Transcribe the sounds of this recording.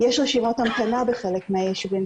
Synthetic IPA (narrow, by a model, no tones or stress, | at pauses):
jeʃʁeʃimat̪amkanabeχelekmajeʃben